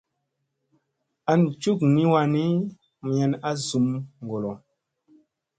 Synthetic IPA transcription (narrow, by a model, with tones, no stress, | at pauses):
a˦n˨t͡ʃu˦kni˦wa˧ni˦ | m˨jɛ˨na˦zu˨mŋ˨ɡo˨lo˨